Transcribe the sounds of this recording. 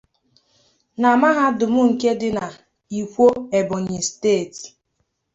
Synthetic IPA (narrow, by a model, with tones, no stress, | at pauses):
na˨ma˦ɦa˦dʊ˨mʊ˦ŋ̩˨ke˦dɪ˦na˨ | i˨kʷo˦e˨bʊ˨ɲɪ˨steː˦˨t